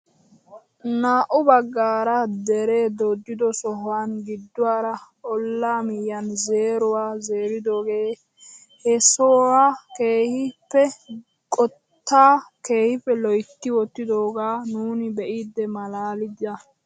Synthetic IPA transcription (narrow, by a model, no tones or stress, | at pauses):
naːʔʊbɐɡːaːɾɐd̪ɛɾeːd̪ɔd̪ːɪd̪ɔsɔɦwanɡɪd̪ːʊwaːɾɐʔɔlːaːmɪjːɐnze̞ːɾʊwaːze̞ːɾɪd̪o̞ːɡe̞ː | hɛsoːwaːke̞ːhɪpːɛ | kʼɔ | t̪ːaːke̞ːhɪfɛlɔjt̪ːɪwɔt̪ːɪd̪o̞ːɡaːnuːnɪbɛʔiːd̪ːɛmɐlaːlɪd̪ɐ